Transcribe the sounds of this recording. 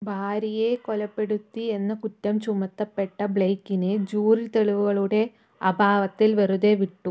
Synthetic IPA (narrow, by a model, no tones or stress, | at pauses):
bʱaːɾijekolɐpːe̞ɽut̪ːie̞nːɐkutːɐmt͡ɕumɐt̪ːɐpːe̞ʈːɐbɭeːkːined͡ʑuːrilt̪eɭiʋuɣɐɭuɽe̞ | ɐbʱaːʋɐt̪ːilʋɐruðe̞ʋiʈːu